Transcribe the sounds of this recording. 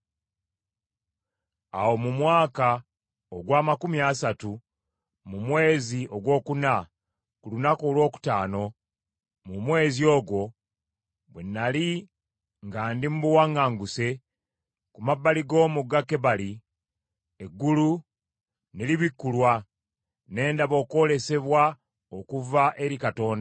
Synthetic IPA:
a̰wo̞mumwaːka | oɡwaːmakumjasatu | mumwe̞ːziʔo̞ɡwo̞ːkuna | kulunakoːlwo̞ːku̥taːno̞ | mumwe̞ːzio̞ːɡwo̞ | bwenːali | ŋɡaːndimubuwaŋɡaːŋɡuse̞ | kumabːaliɡo̞ːmuɡːakːe̞βali | eɡːulu | neliβikːulwa | ne̞ːndaβo̞ːko̞le̞se̞βwa | okuvaʔe̞ɾikato̞ːnda

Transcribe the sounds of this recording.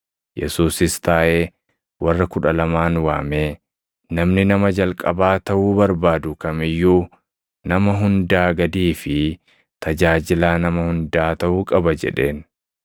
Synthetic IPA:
jʔɛ̰suːsɪst̪aːʔeː | wɐrːɐkʊᶑɐlɐmaːnwaːmeː | nɐmnɪnɐmɐd͡ʒɐlkʼɐbaːt̪ɐʔuːbɐɾbaːd̪ʊkɐmɪjːuː | nɐmɐɦʊnd̪aːɡɐd̪iːfɪ | t̪ɐd͡ʒaːd͡ʒɪlaːnɐmɐhʊnd̪aːt̪ɐʔuːkʼɐbɐd͡ʒɛ̰ᶑe̞ːn

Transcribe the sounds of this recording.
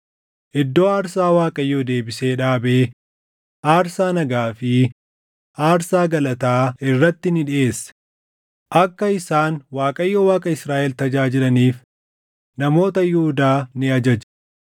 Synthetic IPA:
ʔɪd̪ːoːaːɾsaːwaːkʼɐjːoːd̪e̞ːbɪse̞ːᶑaːbe̞ː | ʔaːɾsaːnɐɡaːfɪ | aːɾsaːɡɐlɐt̪aːɪrːɐt̪ːɪnɪᶑɪʔe̞ːsːɐ̥ | ʔɐkːɐɪsaːnwaːkʼɐjːoːwaːkʼɐɪsɾaːʔɛlt̪ɐd͡ʒaːd͡ʒɪlɐniːf | nɐmo̞ːt̪ɐjʊhʊd̪aːnɪɐd͡ʒɐd͡ʒ

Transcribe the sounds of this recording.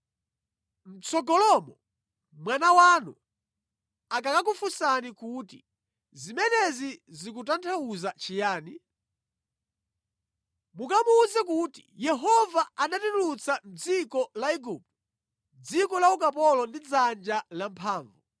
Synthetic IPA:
m̩t͡sɔɡɔlɔmɔ | mwanawanṵ | akakak̬ufusanikutḭ | zimɛnɛzizikutantʰauzat͡ʃijaːni | mukamuzɛkutḭjɛɦɔvaanatitlut͡sam̩d͡zikɔlaiɡuːp̚tu | d͡zikɔlaukapɔlɔndid͡zand͡ʒalampʰaːɱvu

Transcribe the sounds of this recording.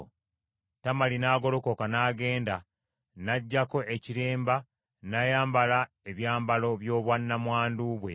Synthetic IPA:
tamalinaːɡo̞loko̞kanaːɡe̞ːnda | naɟːako̞ʔeciɾeːmba | najaːmbala | e̞βjaːmbalo̞βjo̞ːβwanːamwaːnduβwe̞̰

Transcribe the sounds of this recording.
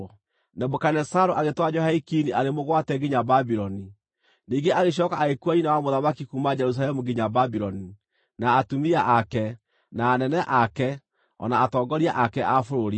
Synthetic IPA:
nɛbokanɛsaɾoʔaɣetwad͡ʒɔhaikiniʔaɾemoɣwatɛɡiɲababiɾɔni | niŋɡeʔaɣeɕ̬ɔkaʔɣekuaɲinawamoðamakikumad͡ʒɛɾus̬alɛmuɡiɲababiɾɔni | naːtumiaʔakɛ | naːnɛnɛʔakɛ | ɔ̰naːtɔːɡɔɾiaʔakɛʔafoɾoɾi

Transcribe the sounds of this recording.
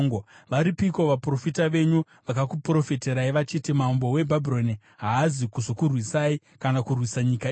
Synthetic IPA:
ŋɡʋaɾipiko̞ʋapro̞fitaʋe̞ɲu | ʋakakupro̞feteɾaiʋat͡ʃiːtimambo̞we̞bʱabʱiɾo̞ni | ɦaːzikuzokurwisai | kanakurwisaɲika

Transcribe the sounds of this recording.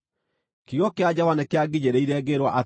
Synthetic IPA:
kijɔkead͡ʑawanɛkeaɡiɲeɾeiɾɛɡeɾwaʔa

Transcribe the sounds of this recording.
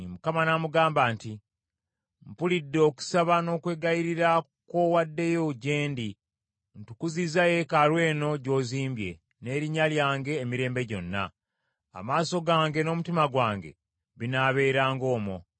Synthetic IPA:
mukamanamuɡaːmbaːnti | mpulidːo̞ːku̥saβano̞ːkwe̞ːɡajiɾiɾa | ko̞wadːe̞joɟeːndi | n̩tukuzizaje̞kaɾwe̞ːno̞ɟo̞ːziːmbje̞̰ | ne̞ːɾiɲaljaːŋɡe̞ːmiɾe̞ːmbe̞ɟo̞nːa̰ | a̰maːso̞ɡaːŋɡe̞no̞mutimaɡwaːŋɡe̞̰ | βinaːβe̞ːɾaːŋɡo̞ːmo̰

